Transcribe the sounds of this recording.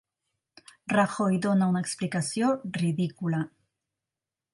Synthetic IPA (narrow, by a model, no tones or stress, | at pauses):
raxojd̪onaunaeksplikasjoriðikula